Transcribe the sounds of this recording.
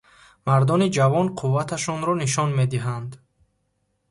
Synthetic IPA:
maɾd̪ɔnid͡ʒavɔnqʰuvːat̪ʰaʃɔnɾɔniʃ̬ɔnme̞d̪iɦand̪

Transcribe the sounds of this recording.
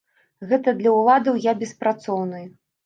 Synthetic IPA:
ɣɛt̪ɐd̪lʲɐulˠad̪ɐwjabʲɛspɾat̪sɔwnɨj

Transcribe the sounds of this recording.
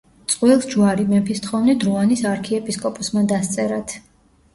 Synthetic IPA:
t̪sʼqʼwilˠsd͡ʒuaɾimɛmpʰist̪χɔvnid̪ɾuanisaɾkʰiɛpʼiskʼɔpʼusmad̪ast̪sʼɛɾat̪ʰ

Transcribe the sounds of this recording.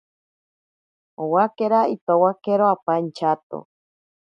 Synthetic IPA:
owakeɾait̪owakeɾoapant͡ʃat̪o̰

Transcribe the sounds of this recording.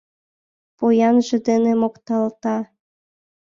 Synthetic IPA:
pojɑnʒĕd̪enemokt̪ɑlt̪ɑ

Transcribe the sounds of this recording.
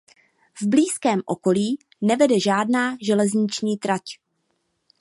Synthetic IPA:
vbliːskɛːmʔo̞ko̞liː | nɛvɛdɛʒaːdnaːʒɛlɛzɲɪt͡ʃɲiːt̪ɾac

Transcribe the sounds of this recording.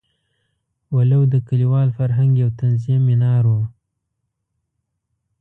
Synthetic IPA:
walawd̪əkaliwɑlfaɾɦaŋɡjawt̪anziminɑɾwu

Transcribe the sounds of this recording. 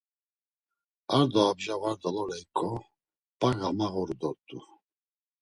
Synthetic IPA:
aɾd̪ɔːbʒavaɾd̪alɔlɛikʼɔ | b̥aɡamaɣɔɾud̪ɔɾt̪ʼu

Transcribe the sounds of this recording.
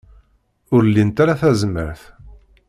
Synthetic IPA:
ʊɾlːint̪aɾaθæzməɾθ

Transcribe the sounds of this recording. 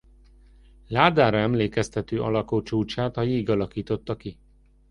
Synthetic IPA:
laːd̪aːɾɒɛmleːkɛst̪ɛt̪øːʔɒlɒkoːt͡ʃuːt͡ʃaːt̪hɒjiːɡɒlɒkiːt̪o̞t̪ːɒki

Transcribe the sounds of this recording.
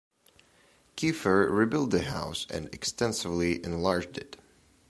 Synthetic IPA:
kʰʉfə˞ɹibɪlˠd̪̚ðɨɦaʊsɨ̰̃nɨ̰kstɛ̃nsɨvliʔɨ̃nlɑɹd͡ʒdɪt

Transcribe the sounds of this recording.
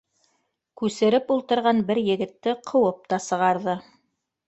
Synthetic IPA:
kʉsɘ̆ɾɘpulˠt̪ɤ̆ɾʁɑnbɘɾjɘ̆ɡɘ̆t̪ːɘqʰɤ̆wɤp̚t̪ɑsɤ̆ʁɑɾðɤ

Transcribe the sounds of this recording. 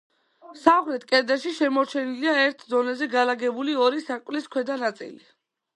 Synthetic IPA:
saχɾɛt̪ʰkʼɛɾd̪aʃiʃɛmɔɾt͡ʃʰɛniliaɛɾt̪ʰd̪ɔnɛzɛɡalaɡɛbuliɔɾisakʼvliskʰwɛd̪anat̪sʼḭli

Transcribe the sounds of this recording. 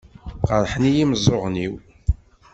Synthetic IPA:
qəɾˤħənijiməzˤoʁniw

